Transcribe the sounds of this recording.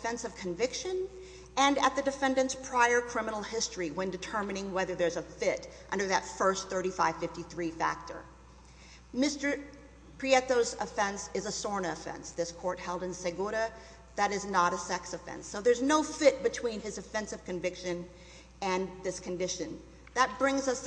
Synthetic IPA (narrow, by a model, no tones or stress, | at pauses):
fɛ̃nsʌv̥kʰɨ̃ɱvɪkʃɨ̃n | ɨ̃nɨt̪̚ðɨdɨfɛ̃ndɨ̃ntspʰɹ̥aɪə˞kʰɹ̥ɪ̃mənl̩ˠhɪstɹ̥iwɨ̃ndɨtʰɜ˞mɨnɪ̃ŋwɛðə˞ðə˞zəfɪɾʔʌ̃ndə˞ðɨtfɜ˞sθɜ˞ɾifaɪv̥fɪftiθɹifæ̰k̚tʰə̰˞ | mɪstə˞ | pʰɹ̥iɛθoʊzəfɛ̃nsɨzəsɔɹnɨəfɛ̰̃nsðɪskʰɔɹt̚hɛlˠdɨ̃nsɛɡoɾɨ | ðɨɾɨznəɾəsɛksɨfɛ̰̃nsoʊðə˞znoʊfɪt̚b̥ɨtʰw̥ĩnɨzɨfɛ̃nsɨv̥kɨ̃ɱvɪkʃɨ̃n | ɨ̃nðɪskʰɨ̃ndɪʃɨ̃n | ðət̚b̥ɹɪ̃ŋzʌs